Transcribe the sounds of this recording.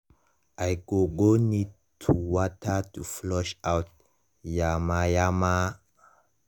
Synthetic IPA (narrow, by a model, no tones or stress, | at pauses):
ʔajɡoɡoni | tʰuwatʰatuflɔʃawt̚ | jamajama